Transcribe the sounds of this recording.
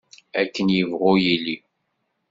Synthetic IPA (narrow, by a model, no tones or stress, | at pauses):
ækːənjəvʁʊjilːi